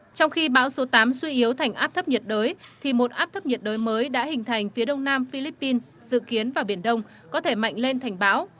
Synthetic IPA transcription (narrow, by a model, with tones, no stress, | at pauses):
t͡ɕɔ˧wŋ͡mxi˧ɓa̰ː˧˥wso˨˦t̪aː˨˦mswi˧ʔi˨˦əwt̪ʰa˨˩jŋ̟ʔaː˦˥p̚t̪ʰə˦˥p̚ɲə˨˩t̚ɗəː˨˦jt̪ʰi˨˩mo˨˩t̚ʔaː˦˥p̚t̪ʰə˦˥p̚ɲə˨˩t̚ɗəː˨˦jməː˨˦jɗa̰ː˧˥hï˨˩ŋ̟t̪ʰa˨˩jŋ̟fi˨˦ɗə˧wŋ͡mnaː˧mfi˧li˦˥pːi˧n | zɨ̰˧˨ki˨˦ənvaː˨˩wɓi˧˩ənɗə˧wŋ͡m | kɔ˨˦t̪ʰe˧˩ma̰˧˨jŋ̟le˧nt̪ʰa˨˩jŋ̟ɓaː˨˦w